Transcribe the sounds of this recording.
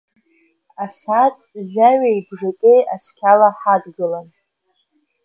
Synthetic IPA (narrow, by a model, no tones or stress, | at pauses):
asatʼʒʷᶣaɥaibʐatʼejaskʲʰalaħadɡɨlan